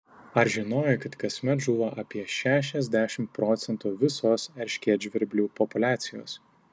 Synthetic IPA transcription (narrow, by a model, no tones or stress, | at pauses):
ɐɾʒʲɪnoːjɛkɐt̪kɐsʲmʲɛt̪ʒuːʋɐʔɐpʲiɛʃʲæːʃ̬ʲɛzʲd̪ʲæːʃʲɪmt̪̚pɾoːt̪sʲɛnt̪uːʋʲɪsoːsɛɾʲʃʲkʲeɛd͡ʒʲʋʲɪɾʲbʲlʲuːpɔpʊlʲæːt̪sʲɪjo̰ːs